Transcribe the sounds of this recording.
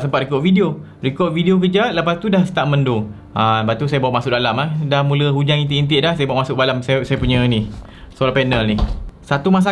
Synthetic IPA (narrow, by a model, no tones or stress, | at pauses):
səmpat̪̚rikɔʔfidio | rikɔʔ̚vidiok̬əd͡ʒaʔləpast̪udahst̪aʔməndo | ʔanbat̪us̬ajəbawaʔmasʊʔdalamlahdahmũləɦud͡ʒaŋint̪iʔint̪̬ɪʔdahsajəbawaʔmasʊʔ̚balamsasajəpuɲə̃ni | solapɛnəlnisat̪umas̬a